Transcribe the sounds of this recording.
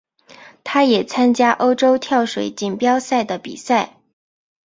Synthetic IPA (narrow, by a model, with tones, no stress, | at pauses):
t̪ʰa˥jɛ˨˩t͡sʰa˥nt͡ɕja˥ʔo˥ʊʈ͡ʂo˥ʊt̪ʰjɑ˥˩ʊʂwḛ˧˥ɪt͡ɕi˨˩npjɑ˥ʊsa˥˩ɪd̪ə˩pḭ˨˩sa˥˩ɪ